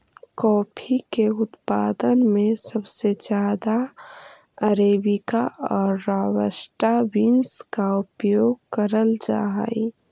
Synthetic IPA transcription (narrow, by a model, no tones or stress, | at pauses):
kɔːpʰikeʊt̪paːd̪ənmẽsəbsed͡ʒjaːd̪a | əɾeːbɪkaɔːɾːaːwəsʈawinskaʊpjoːɡ̚kəɾəld͡ʒa̰ːɦi